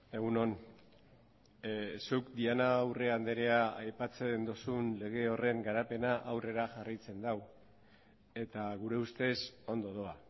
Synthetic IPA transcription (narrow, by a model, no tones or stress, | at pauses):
e̞ɣuno̞n | sukd̪ianawre̞and̪e̞ɾe̞aajpat͡se̞nd̪osunle̞ɣ̞e̞o̞re̞ŋɡaɾape̞naʔawre̞ɾaʝaraijt͡se̞nd̪aw | e̞t̪aɣuɾe̞ust̪e̞so̞nd̪o̞ðo̞a